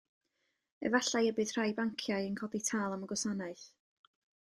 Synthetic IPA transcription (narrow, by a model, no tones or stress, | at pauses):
ɛ̰vaɬajəbɨð̥r̥ajbaŋkʰjaɨənkʰɔditʰaːlˠaməɡɔsanaɨθ